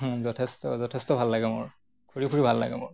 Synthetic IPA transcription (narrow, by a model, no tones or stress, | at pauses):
zɔtʰɛstɔzɔtʰɛstɔbʱalːaɡɛmʊ̰ɹ | kʰuɹikʰuɹibʱalːa̰ɡɛmʊɹ